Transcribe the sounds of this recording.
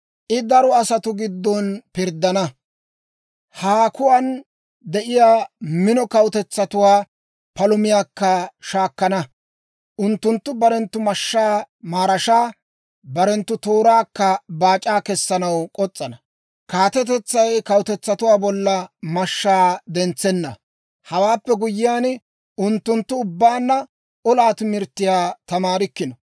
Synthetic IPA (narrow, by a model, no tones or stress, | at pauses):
ʔɪd̪ɐɾɔɐsɐt̪ʊɡɪd̪ːɔnpɪɾd̪ːɐnɐ | haːkʊwan | d̪ɛʔɪjaːmɪnɔkɐwt̪ɛt͡sːɐt̪ʊwaː | pɐlʊmɪjaːkːɐʃaːkːɐnɐ | ʔʊnt̪ːʊnt̪ːʊbɐɾɛnt̪ːʊmɐʃːaːmaːɾɐʃaː | bɐɾɛnt̪ːʊt̪oːɾaːkːɐbaːt͡ʃʼaːkɛsːɐnɐwkʼɔt͡sʼːɐnɐ | kaːt̪ɛt̪ɛt͡sːɐjkɐwʊt̪ɛt͡sːɐt̪ʊwaːbɔlːɐmɐʃːaːd̪ɛnt͡sːɛnːɐ | hɐwaːpːɛɡʊjːɪjaːn | ʊnt̪ːʊnt̪ːʊʊbːaːnːɐ | ɔlaːt̪ɪmɪɾt̪ːɪjaːt̪ɐmaːɾɪkːɪnɔ